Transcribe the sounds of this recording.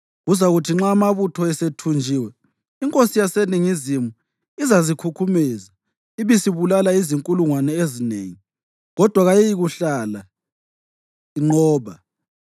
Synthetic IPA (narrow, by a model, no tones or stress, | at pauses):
ɣuzaɣutʰiŋ͡ǁaːmaβutʰɔɛsetʰund͡ʒʱiːwɛ | iŋkʼosijaseniŋizimu | izazikʰukʰumɛza | iβisiβulalaiziŋkʼuluŋwanɛezinḛːŋi | ɣɔd̥ʱwaɣajɛjiɣuɬala | iŋ͡ǃɔːβa